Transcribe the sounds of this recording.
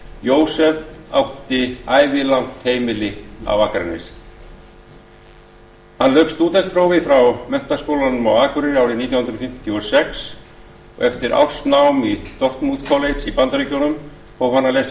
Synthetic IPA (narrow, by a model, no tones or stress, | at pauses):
joːwsɛvawht̪ɪaːjvɪlawŋkt̪heːjmɪlɪa̰waːkɾɛ̰nːɪ̰s | hanlœɥkst̪uːt̪ɛspʰɾoːwvɪfɾawmœn̥t̪ḁskoːwlanʏmawaːkʏɾɪnɪaːwɾɪniːt̪jwhʏnɾɔfɪm̥t̪i̥t̪ʰjɔsɛks | ɔ̰ɣɛft̪ɪɾʔa̰wst̪nawmit̪ɔr̥t̪muðkʰɔlejt̪sipant̪aɾicownʏm | ɔwfanːales